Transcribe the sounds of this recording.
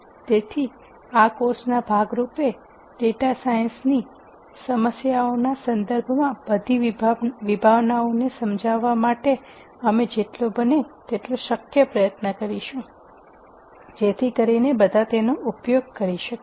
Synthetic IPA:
t̪et̪ʰi | akosnabʱaɡɾupe | ɖeʈasajənsni | səməsjaonasənd̪əɾbʱmãbəd̪ʱiʋibʱaʋnaonesəmd͡ʒʱaʋːamaʈe | əmed͡ʒeʈlobənet̪eʈloʃəkjəpɾəjət̪nəkəɾiʃũ | d͡ʒet̪ʰikəɾinebəd̪ʱat̪enoʔupjoɡ̚kəɾiʃək

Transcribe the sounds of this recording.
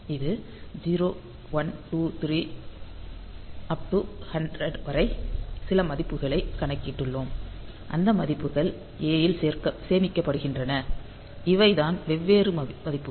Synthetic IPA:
ɪðɯ | d͡ʒiːɾoː | ʋɐnʈuːt̪ɪɾiː | ɐp̚ʈɯhɐɳɖɾɐɖʋɐɾɐɪsɪlɐmɐðɪpːɯɣɐɭɐɪkːɐɳɐɪkːɪʈːɯɭːoːm | ʔɐnd̪ɐmɐðɪpːɯɣɐɭ | eːjɪlseːɾkɐseːmɪkːɐpːɐɽɯɣɪndrɐnɐ | ɪʋɐɪðaːnʋɛʋːeːɾɯmmɐðɪpːɯ

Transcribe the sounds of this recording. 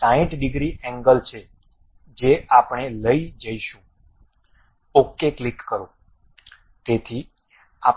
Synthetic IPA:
sãĩʈʰɖɪɡɾiʔɛ̃ŋɡəlt͡ʃʰe | d͡ʒeapɳ̃eləid͡ʒəiʃũ | okːeklikːəɾõ | t̪et̪ʰi | a

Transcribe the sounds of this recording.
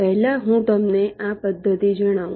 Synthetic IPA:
pɛɦlaɦũt̪əmneʔapəd̪ʱːət̪id͡ʒəɽ̃aũ

